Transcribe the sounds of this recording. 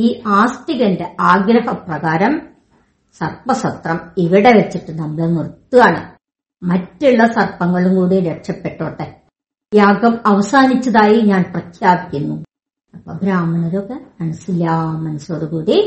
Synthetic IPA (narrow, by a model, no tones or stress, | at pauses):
iːaːstiɣɐnde̞ʔaːɡɾɐhɐprɐɣaːɾɐm | sɐrpɐsɐt̪rɐmiʋiɽe̞ʋet͡ɕːiʈːɨnɐmːɐɭenurt̪ːuaːɳɨ | mɐtːuɭːɐsɐrpɐŋːɐɭumkuːɽiɾeʈʂɐpːe̞ʈːoːʈːe | jaːɡɐmɐʋɐsaːnit͡ɕːɐðaːjiɲaːnprɐkʰjaːbikʲːunːu | ɐpːoɡɾaːmɐnoɾokːemɐnɐsilːaːmɐnɐso̞ːɽukuːɽi